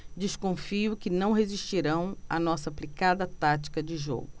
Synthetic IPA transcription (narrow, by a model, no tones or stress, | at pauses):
d͡ʒiskõfiʊkɪnɐ̃w̃ɦeziʃt͡ʃiɾɐ̃w̃ɐ̰nɔsɐːplikad̪ɐt̪at͡ʃi̥kɐd͡ʒɪʒo̰ɡʊ